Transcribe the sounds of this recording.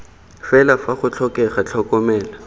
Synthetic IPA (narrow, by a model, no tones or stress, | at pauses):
fɛlafaχʊt͡ɬʰɔkɛχat͡ɬʰɔkɔmɛːla